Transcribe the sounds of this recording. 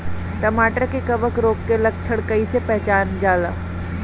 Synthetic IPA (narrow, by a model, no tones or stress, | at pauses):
ʈɐmaːʈəɾkekɐʋəkɾoːkːelɐk̚t͡ʃʰəɽkəisepɛɦt͡ʃaːnd͡ʒaːla̰ː